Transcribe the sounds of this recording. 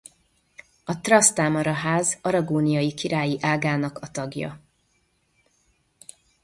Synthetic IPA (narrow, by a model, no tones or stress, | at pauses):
ɒt̪rɒst̪aːmɒɾɒɦaːzɒɾɒɡoːnijɒjikiɾaːjiʔaːɡaːnɒkɒt̪ɒɡjɒ̰